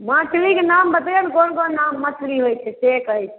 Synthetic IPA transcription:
maʈʰlikenambət̪enkonkonnamːəsɾiɦojt͡ʃʰɛsekəjt͡ʃʰɛ

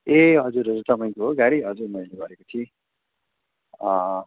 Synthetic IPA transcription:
eɦʌd͡zuɾɦʌd͡zurt̪ʌpaj̃koɦoɡaɾiɦʌd͡zurmʌjlebʱʌɾekot͡sʰi | ʌ

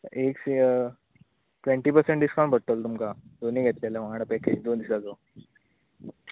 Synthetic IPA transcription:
eks | ʈʋeɳʈiːpəɾsẽɳʈɖ̪iskãwɳʈbʱəɽt̪əlt̪umkad̪oniːɡʱɛt̪leleʋaɽ̃əpɛked͡ʑd̪oːnd̪isad͡zo

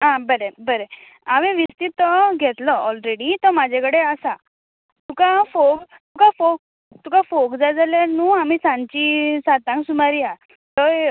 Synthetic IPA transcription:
ɦãbəɾebəɾe | aʋeʋist̪it̪ːɔɡʱɛt̪lɔɔlɾeɽit̪ɔmad͡ʑʱekəɽeəsa | t̪ukafok | t̪ukafok̚ | t̪ukafokd͡zad͡zaljaɾnuːam̤iːsãɲt͡ɕisat̪ãŋksumaɾia | t̪ɔ

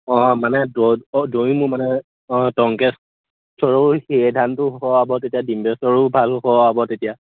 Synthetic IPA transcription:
ɔ̃manɛdɔdojmʊmanɛ | ɔ̃tɔŋkɛs | sʰɔɹohedʱantʊhkɔabɔtetijadimbɛsɔɹobʱalɔkɔabɔtetija

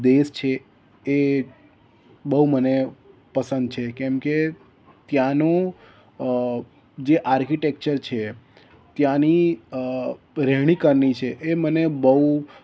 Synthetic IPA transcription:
d̪est͡ʃʰeː | bəɦumənepəsə̃nd̪̚t͡ʃʰekɛmke | t̪jãnõ | d͡ʒeʔaɾkiʈek̚t͡ʃəɾt͡ʃʰe | t̪jãni | ɾeɦɽ̃ikəɾnit͡ʃʰeʔemənebəɦu

